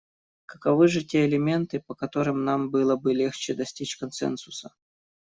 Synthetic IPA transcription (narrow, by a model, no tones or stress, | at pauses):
kə̥kɐvɨʐɨtʲeɪlʲɪmʲe̞nt̪ɨpəkɐt̪o̞ɾɨmnambɨlˠəbɨlʲext͡ɕɪd̪ɐsʲtʲit͡ɕkɐnsɛ̰nsʊsə